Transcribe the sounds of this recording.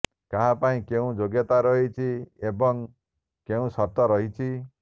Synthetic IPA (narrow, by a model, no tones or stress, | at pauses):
kaɦapaĩkeũd͡ʒoɡjɔt̪aɾɔɦit͡ʃʰiebɔŋ | keũsɔt̪ɔɾɔɦit͡ʃʰi